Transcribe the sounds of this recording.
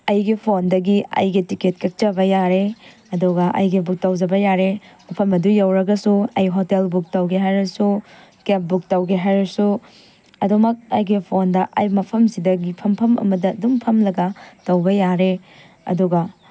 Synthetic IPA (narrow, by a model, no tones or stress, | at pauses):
ɐjɡipʰondɐɡiɐ̰jɡitiket̚kɐk̚t͡ʃɐbɐjaɾe | ɐduɡɐʔɐ̰jɡibuk̚tɐwd͡ʒɐbɐjaɾemɐpʰɐmɐdujɐwɾɐɡɐsuɐjɦotelbuk̚tɐwɡeɦajɾɐsu | kep̚buk̚tɐwɡeɦajɾɐsu | ɐdumɐk̚ɐjɡipʰondɐʔɐjmɐpʰɐmsidɐɡipʰɐmpʰɐmʔɐ̰mɐdɐdumpʰɐmlɐɡɐtɐwɡɐjaɾe | ɐ̰duɡɐ